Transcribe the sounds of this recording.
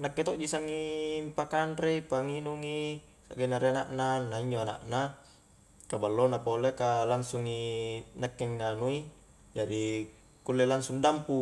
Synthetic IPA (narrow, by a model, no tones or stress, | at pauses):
nakːet̪oʔd͡ʒisaŋimpakanɾeipaŋinuŋi | sa̰ɡenaɾeanaʔnanaiɲd͡ʒoana̰ʔna | kabalːonapolekalansuŋinakːeŋːanui | d͡ʒadi | kulːelansuŋdampu